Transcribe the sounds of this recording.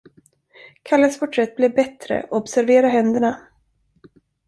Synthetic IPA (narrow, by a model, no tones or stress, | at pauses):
kʰalːəspʰɔʈʰɾɛt̪̚ːblɛvbɛt̪ɾə̰ɔɔbsæɾveːɾaɦɛnd̪əɳa